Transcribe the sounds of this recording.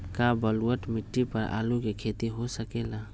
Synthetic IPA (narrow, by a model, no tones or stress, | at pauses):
kabəluəʈmiʈːipəɾa̰lukekʰet̪iɦosəkela